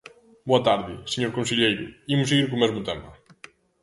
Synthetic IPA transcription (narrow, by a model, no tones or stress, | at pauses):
boɐt̪aɾðɪseɲoɾkõnseʎejɾʊ̰imʊseɣiɾkʊmɛzmʊt̪ɛmɐ